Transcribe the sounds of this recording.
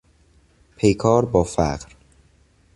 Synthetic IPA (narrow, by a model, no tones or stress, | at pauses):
pʰejkʰɒːɾbɒːfæ̰ɢɾ